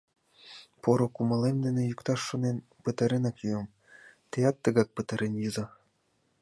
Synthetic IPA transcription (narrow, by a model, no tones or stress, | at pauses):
poɾokumɑlemd̪enĕjukt̪ɑʃːonen | pət̪ɑɾenɑkjuəm | t̪eɑt̪ːəɣɑk̚pət̪ɤɾenjɯzɑ